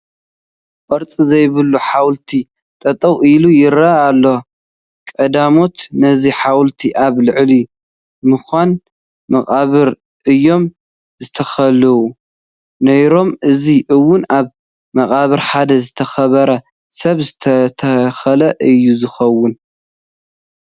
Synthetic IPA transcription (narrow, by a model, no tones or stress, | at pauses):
ʔʼɐɾt͡sʼizɐjβɨlːuħawlt̪ʰi | t̪ʼɐt̪ʼɐwʔilujɪɾaːlːo | kʼɐd̪amo̞t̪nɐziħawlt̪ʰiʔaβlɨʕli | mɨxʷan | mɐkʼaβɨɾ | ʔɨjːo̞m | zɨt̪ʰɐxɐlɨwu | nɐjɾo̞mʔɨziʔɨwːʊnaβ | mɐχʼaβɨɾħad̪ɐzɨt̪ʰɐxɐβɐɾɐ | sɐβzɨt̪ʰɐt̪ʰɐxɐlɐʔɨjːuzɨxɐwːʊn